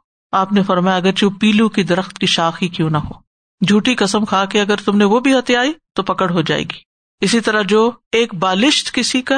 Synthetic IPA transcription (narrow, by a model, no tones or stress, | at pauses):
aːpnefɐɾmaːjaɐɡəɾt͡ʃũːpiːlũkid̪ɐɾəxt̪kiʃaːxikjõːnɐɦo̰ː | d͡ʒʱuːʈikɐsəmkʰaːkeɐɡəɾt̪ʊmneʋobʱiɦɐt̪eaːit̪opɐkəɽɦod͡ʒa̰ːḛːɡiː | ɪsit̪ɐɾad͡ʒoːeːk̚baːlɪʃt̪kɪsika